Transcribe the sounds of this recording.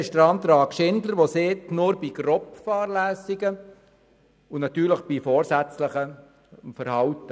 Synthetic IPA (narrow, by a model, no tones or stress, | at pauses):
ʃtɾɑːmt̪ɾɑːkʃɪndləɾʋoseːt̪nʊɾbiɡ̥ɾɔpfɑːɾlæːsɪɡə | ʊnɑt̪yːɾləχb̥ifɔːɾsæt͡sləχə | fəɾhɑwtə